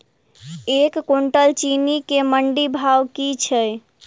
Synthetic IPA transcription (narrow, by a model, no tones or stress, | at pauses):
ekːoɳʈəlt͡ʃinikeməɳɖibʱawkit͡ʃʰə